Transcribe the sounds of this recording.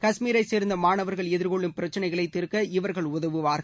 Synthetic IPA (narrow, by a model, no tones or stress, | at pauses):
kɐʂmiːɾɐɪseːɾnd̪ɐmaːnɐʋɐɾɣɐɭɛðɪɾkɔɭːɯmpɪɾɐt͡ʃːɐnɐɪɣɐɭɐɪt̪ːɪɾɯkːɐɪʋɐɾɣɐɭʊðɐʋɯʋaːɾɣɐ